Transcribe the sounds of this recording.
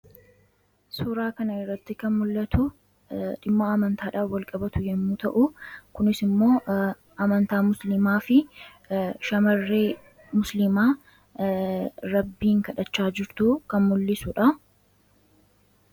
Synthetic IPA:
suːɾaːkɐnɐɪrːɐt̪ːɪkɐnmʊlːɐt̪ʊ | ᶑɪmːɐːmɐnt̪aːᶑaːfwɐlkʼɐbɐt̪ʊjɛnːuːt̪ɐʔʊkʊnɪsɪmːo̞ː | ʔɐmɐnt̪aːmʊslɪmaːfɪ | ʃɐmɐrːeː | mʊslɪmaː | ɾɐbːiːŋkɐᶑɐt͡ʃːaːd͡ʒɪɾt̪uːkɐnmʊlːɪsʊᶑɐ

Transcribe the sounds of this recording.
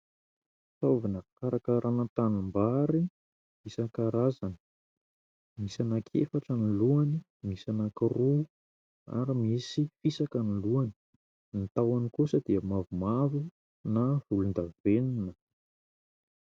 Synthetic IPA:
t̪ovinəkaɾakəɾʔanət̪animbaɾi | misakaɾazani̥ | misanakʰḛfaʈ͡ʂəniluani | misanakiru | a̰ɾimisifisakəniluani̥ | nit̪awanikusəd̪iəmavumavu | navulund̪aveninə

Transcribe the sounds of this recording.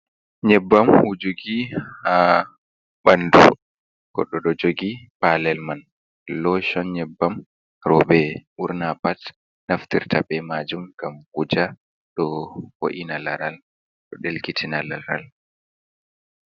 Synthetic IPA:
ɲɛbːamhud͡ʒoɡia | ɓandṵ | ɡ̥ɔ̰ɗɔɗɔd͡ʒoɡipalɛlman | lɔʃɔnɲɛbːam | ɾɔbɛʔuɾnapat | naftiɾtaɓɛmad͡ʒumɡamkud͡ʒa | ɗɔho̰ʔinalaɾal | ɗɔɗelkitʰinalaɾa̰l

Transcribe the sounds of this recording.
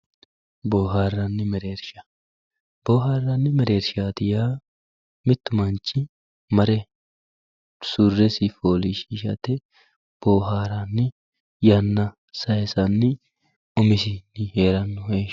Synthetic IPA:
boːɦaːrːɐnːɪmɛɾe̞ːɾʃɐ̥ | b̥oːɦaːrːɐnːɪmɛɾe̞ːɾʃaːt̪ɪjaː | mɪt̪ːʊmɐnt͡ʃːɪ | mɐɾɛ | sʊrːɛsɪfoːliʃiːʃɐ̰t̪ɛ | b̥oːɦaːɾɐnːɪ | jɐnːɐ | sɐjsɐnːɪ | ʊmɪsɪnːɪheːɾɐnːʊhe

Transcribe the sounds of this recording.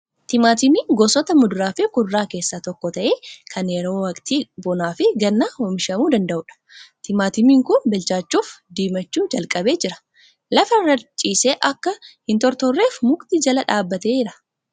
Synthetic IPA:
t̪ɪmaːt̪ɪmiːɡɔsɔt̪ɐmʊd̪ʊɾaːfɪkʊrːaːke̞ːsːaːt̪ɔkːɔt̪ɐʔeːkʰɐnjɛɾo̞ːwɐkʼt̪iːbɔnaːfɪɡɐnːahɔmɪʃɐmuːd̪ɐnd̪ɐʔʊᶑɐ̥t̪ɪmaːt̪ɪmiːŋkʊnbɛlt͡ʃaːt͡ʃːuːfd̪iːmɐt͡ʃːuːd͡ʒɐlkʼɐbe̞ːd͡ʒɪɾɐ̥ | lɐfɐrɐt͡ʃʼiːseːʔɐkːɐhɪnt̪ɔɾt̪ɔrːe̞ːfmʊkt̪id͡ʒɐlɐᶑaːbːɐt̪e̞ːd͡ʒɪɾɐ̥

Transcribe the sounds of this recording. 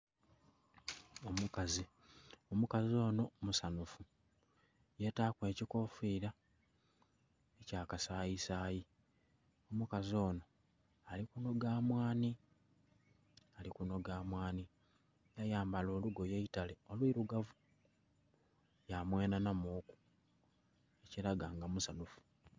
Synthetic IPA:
omukazi | omukazio̞ːno̞musanufu | je̞taːkwe̞ːciko̞fiːɾa | ecaːkasaːisaːji | o̞mukazio̞ːno̞ | alikuno̞ɡaːmwaːni | alikuno̞ɡaːmwaːni | jajaːmbalo̞ːluɡo̞jeitaleo̞lwiːɾuɡavu | jamwe̞ːnanamuːku̥ | e̞ciɾaɡaːŋɡamusanufu̥

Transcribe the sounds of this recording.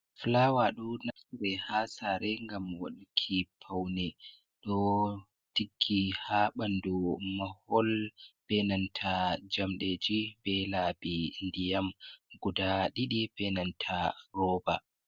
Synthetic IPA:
flawaɗunasuɾɛhasaɾɛŋɡamwa̰ɗukʰipʰawnɛ | ɗɔ | tiɡːihaɓandɔmahɔlb̥ɛnantʰad͡ʒamɗed͡ʒibɛlabindijamɡudaɗiɗibɛnantʰaɾɔːba̰

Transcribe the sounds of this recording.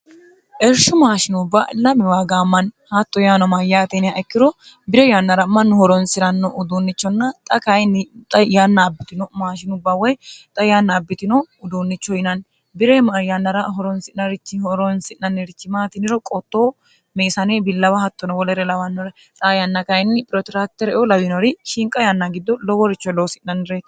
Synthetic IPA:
ʔɛɾʃʊmaːʃɪnʊbːaʔlɐmɪwaːɡaːmːɐnhɐt̪ːɔjaːnɔmɐjaːt̪ɛnɪaʔɛkːɪɾɔ | bɪɾɛjanːɐɾɐmːɐnːʊhɔɾɔnsɪɾɐnːɔʔʊd̪uːnːɪt͡ʃːɔnːɐt̪ʼɐkɐjnt̪ʼɐjanːɐːbːɪt̪ɪnɔmaːʃɪnʊbːawɔjt̪ʼɐjaːnːɐːbːɪt̪ɪnɔʊd̪uːnːɪt͡ʃːɔjɪnɐn | bɪɾɛjanːɐɾɐɦɔɾɔnsɪnnɐɾɪt͡ʃːɪhɔɾɔnsɪnnɐnːɪɾɪt͡ʃːɪmaːt̪ɪnɪɾɔkʼɔt̪ːoː | meːsɐneːbɪlːɐwɐhɐt̪ːɔnɔwɔlɛɾɛlɐwɐnːɔɾɛ | t̪ʼajanːɐkɐɪnːɪpʼɪɾɔt̪ɾak̚t̪ɛɾɔlɐwɪnɔɾɪʃɪŋkʼːɐjanːaɡɪd̪ːɔlɔwɔɾɪt͡ʃːɔlɔwsɪʔnːɐnːɪɾet̪

